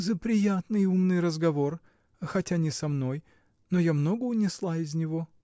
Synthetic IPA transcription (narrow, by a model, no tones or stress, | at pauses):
zəpɾʲɪjat̪nɨjumnɨjɾəzɡɐvo̞r | xɐtʲanʲɪsɐmno̞j | nojamno̞ɡəːnʲɪslˠaɪzʲnʲɪvo̞